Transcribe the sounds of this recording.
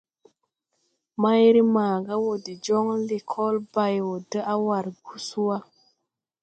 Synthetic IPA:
ma˦jɾi˦maː˨ɡa˦wo˨di˨d͡ʒo˦ŋle˨kʰɔ˦lba˦jwo˨də˦ʔa˦wa˨ɾɡu˦su˦wa˦

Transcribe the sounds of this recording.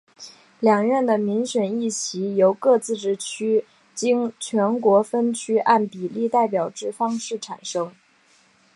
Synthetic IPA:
ljɑ˨˩ŋɥɛ˥˩nd̪ə˩mi˧˥ŋɕɥɛ˨˩ni˥˩ɕʰi˧˥jo˧˥ʊkɤ˥˧t͡sɹ̩˥˧ʈ͡ʂɻ̩˥˩t͡ɕʰy˥ | t͡ɕi˥ŋt͡ɕʰɥɛ˧˥nkwɔ˧˥fə˥nt͡ɕʰy˥ʔa˥˩npi˨˩li˥˧t̪a˥˩ɪp̬jɑ˨˩ʊʈ͡ʂɻ̩˥˩fɑ˥ŋʂɻ̩˥˩ʈ͡ʂʰa˨˩nʂɤ˥ŋ

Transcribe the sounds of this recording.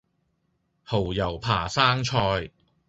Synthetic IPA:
ho˨˩wjɐ˨˩wpʰaː˨˩saː˥ŋt͡ʃʰɔː˧j

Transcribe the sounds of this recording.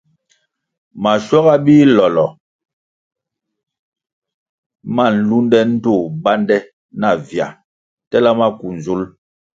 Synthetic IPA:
ma˨ʃwɔ˦ɣa˦biː˦lɔ˨lɔ˨ | ma˦˨n̩˨lu˦ndɛ˦n̩˦to˦˨ba˦ndɛ˦ | na˨vja̰˨ | tɛ˦la˦ma˦ku˨n˨zu˦l

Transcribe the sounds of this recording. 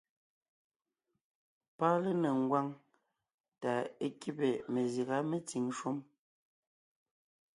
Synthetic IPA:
pa˦le˦ne˨ŋ̩˨ɡwa˦ŋ | ta˨e˦ki˦pe˨me˨zi˨ɣa˦me˨t͡si˨ŋʃu˦m

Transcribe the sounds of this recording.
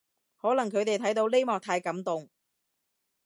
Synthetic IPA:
hɔː˨˥lɐ˨˩ŋkʰɵ˨˧ɥt̪e˨jt̪ʰɐ˨˥jt̪o˧wle˥jmɔː˨k̚t̪ʰaː˧jkɐ˨˥mt̪ʊ˨ŋ

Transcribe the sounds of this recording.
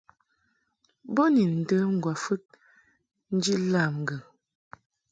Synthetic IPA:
bo˦ni˨n̩˨də˦ŋ̩˦˨ɡwa˨fə˦t̚ | n̩˦d͡ʒi˦la˦˨mŋ˨ɡə˨

